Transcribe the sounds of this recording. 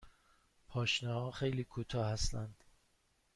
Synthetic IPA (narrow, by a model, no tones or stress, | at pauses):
pʰɒːʃnɒhɒːxejliːkʰut̪ʰɒːhæst̪ænd̪̥